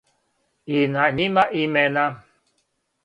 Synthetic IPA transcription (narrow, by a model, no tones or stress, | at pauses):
inaɲimaʔimɛna